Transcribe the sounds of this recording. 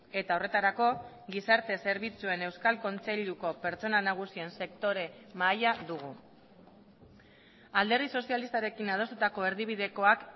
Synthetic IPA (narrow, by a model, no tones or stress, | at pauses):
e̞t̪ao̞re̞t̪aɾako̞ | ɡisaɾt̪e̞se̞ɾβ̞it͡sue̞ne̞wskalko̞nt͡se̞ʎuko̞pe̞ɾt͡so̞nanaɣ̞usie̞nse̞kt̪o̞ɾe̞majaðuɣu | ald̪e̞riso̞sialist̪aɾe̞kinað̞o̞st̪ut̪ako̞e̞ɾðiβ̞iðe̞ko̞ak